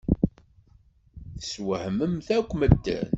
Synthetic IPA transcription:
θəswəhməmθækʷːməd̪ːə̰n

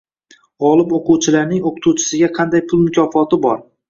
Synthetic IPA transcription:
ɒlˠɪpoquwt͡ʃʰɪlaɾnɪŋoqʰʊt̪ʰut͡ʃʰɪ̥sɪɡʲaqʰɑnd̪ajpʰʊlˠmʊkʲʰɒfɒt̪ɪbɒɾ

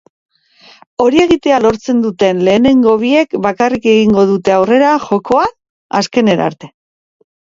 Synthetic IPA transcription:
o̞ɾie̞ɣit̪ealo̞ɾt͡se̞nd̪ut̪e̞nle̞ːne̞ŋɡo̞βie̞kbakarike̞ɣiŋɡo̞ðut̪e̞awre̞ɾaxo̞ko̞a | a̰ske̞ne̞ɾa̰ɾt̪e̞̥

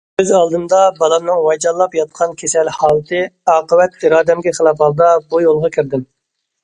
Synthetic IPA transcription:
bɪzɑlˠd̪ɨmd̪ɑbɑlˠɑmnɨŋwɑjd͡ʒɑlˠːɑpjɑt̪̚qʰɑnkʲʰesɛlhɑːlˠɨt̪ʰɨɑːqəwɛt̪iɾɑːd̪ɛmɡʲɛχəlˠɑphɑlˠd̪ɑbujolˠʁɑkʲʰiɾd̪ɪm

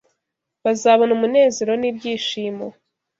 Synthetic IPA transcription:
βazaβonumune̞ːze̞ɾo̞nibɟiːʃiːmo

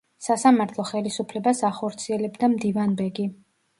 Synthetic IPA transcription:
sasamaɾt̪ʰlˠɔχɛlisupʰlɛbasaχɔɾt̪sʰiɛlɛbd̪amd̪ivanbɛɡi

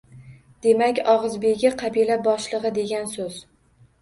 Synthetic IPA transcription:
d̪̥e̞makʲɒʁɨzbe̞ɡʲaqʰɑbilabɒʃlˠɨʁɨd̪e̞ɡʲansɵz̥

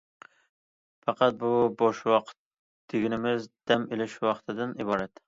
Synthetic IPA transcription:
fɑqʰɑt̪̚bʊbɒʃwɒqt̪ | d̪̥eɡʲɪnɪmɪzd̪̥amɪlɪʃwɒqʰt̪ʰɪd̪ɪnɪbɒɾat̪

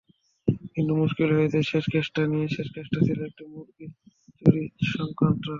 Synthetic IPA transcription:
kint̪umuʃkilɦoet͡ɕʰeʃeʃkʰeʃʈanijeʃeʃkeʃʈat͡ɕʰiloek̚ʈimuɾɡi | t͡ɕoɾiʃɔŋkant̪ɾa

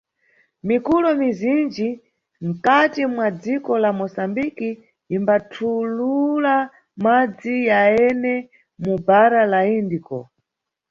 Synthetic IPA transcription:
mikulɔmizind͡ʒi | ŋ̩katimwad͡zikɔlamɔsambikiː | mbatʰulula | mad͡zijaɛnɛ | mubaɾalaindikɔ̰

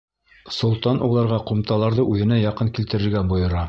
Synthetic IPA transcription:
sŏlˠt̪ɑnʔulˠɑɾʁɑqŏmt̪ɑlˠɑɾðɤʔʉðɘ̆næjɑqɤŋkilt̪ɘ̆ɾɘ̆ɾɡæbŏjɤ̆ɾɑ

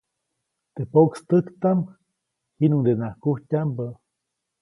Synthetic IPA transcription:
t̪epokst̪əkt̪am | hinuŋd̪enakuhcʲambə

